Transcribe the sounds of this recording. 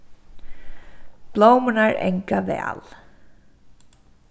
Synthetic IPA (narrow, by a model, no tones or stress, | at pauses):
b̥lowmʊnaɹɛ̰ŋkavɛ̰ːal